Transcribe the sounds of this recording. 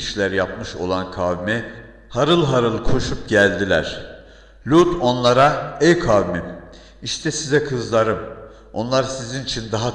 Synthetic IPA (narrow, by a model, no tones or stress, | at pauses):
iʃlʲæɾjapmɯʃo̞̰lˠankʰavmɛ | haɾɯlˠɦaɾɯlˠkʰo̞ʃupɟælʲd̪ilʲæɾ̥ | lʲut̪ʰo̞nlˠaɾaɛjkʰavmim | iʃt̪ʰɛsizɛkʰɯzlˠaɾɯm | o̞nlˠaɾsizinit͡ʃʰind̪aɦa